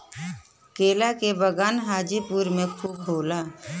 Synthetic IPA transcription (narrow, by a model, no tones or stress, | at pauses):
keːlakebəɡaːnɦaːd͡ʒipuɾmẽkʰuːbɦoːlaː